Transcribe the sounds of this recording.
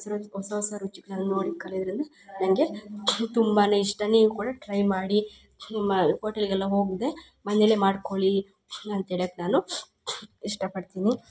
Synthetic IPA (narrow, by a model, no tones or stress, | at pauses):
sɐɾɔsɐɔsaɾut͡ʃːikːnaːnunoːɽikɐlid̪ɐɾind̪ɐ | nɐŋɡet̪umbaːneiʂʈɐniɡukuːɽɐʈɾɐjmaːɽi | nimːɐhoːʈɐliɡɛlːɐɦo̞ːɡd̪e̞ | mɐnelemaːɖkoɭi | ɐnt̪eːɭjaːkːenaːnu | iʂʈɐpɐɽt̪iːni